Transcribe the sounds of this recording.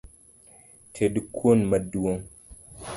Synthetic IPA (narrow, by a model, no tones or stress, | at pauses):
tʰedikʰonmaduoŋ